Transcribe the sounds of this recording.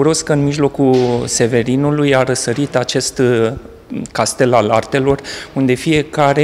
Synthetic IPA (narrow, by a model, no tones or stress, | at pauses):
uɾo̞skəɨnmiʒlo̞kulse̞ve̞ɾinulujaɾəsəɾit̪at͡ʃe̞st̪ | kast̪e̞lalart̪e̞lo̞rund̪e̞fije̞kaɾe